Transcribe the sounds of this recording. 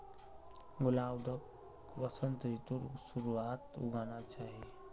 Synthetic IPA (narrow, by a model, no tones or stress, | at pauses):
ɡʊlaːwd̪ʱək | ʋəsənt̪ɾit̪uɾsuɾuaːt̪ṵɡʱanat͡ʃaːɦi